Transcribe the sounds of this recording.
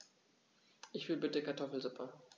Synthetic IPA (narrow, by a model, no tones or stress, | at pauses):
ʔɪçv̥ɪlbɪtəkʰaɐtʰɔfl̩zʊpʰɐ